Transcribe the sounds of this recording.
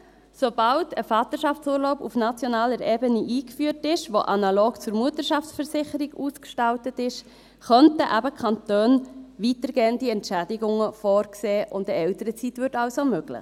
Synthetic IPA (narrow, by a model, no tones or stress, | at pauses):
sob̥ɑʊtəfɑːt̪əɾʃɑft͡suːɾloʊpufnɑt͡sjonɑːləɾeːbəniʔiːkfyːɾtɪʃʋoʔɑnɑloːɡ̥t͡sʊɾmuətəɾʃɑft͡sfəɾsɪχəɾiɡuːskʃtɑltətɪʃ | χœntəʔæbəkʰɑntøːnʋitəɾɡeːəntdiɛntʃædiɡʊŋəfɔːɾkseːʔʊ̰ntəɛʊtəɾət͡sitʋʏɾtɑlsomøɡ̥lɪ̰χ